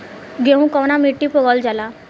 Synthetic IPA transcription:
ɡeũkɔwnamiʈːipoɡɔld͡ʒala

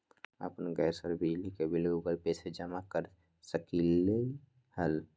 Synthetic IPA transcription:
ə̰pənɡɛːɾsəɾbʱid͡ʒlikebʱɪloɡuɡəlpeːsed͡ʒəmakəɾ | səkilei | həl

